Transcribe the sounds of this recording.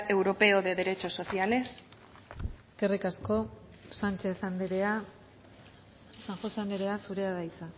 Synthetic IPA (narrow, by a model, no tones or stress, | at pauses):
e̞wɾo̞pe̞oðe̞ðeɾe̞t͡ʃoso̞θiale̞s | eske̞rikasko̞ | sant͡ʃe̞θana | saŋxo̞seand̪eɾe̞asuɾe̞aðajt͡sa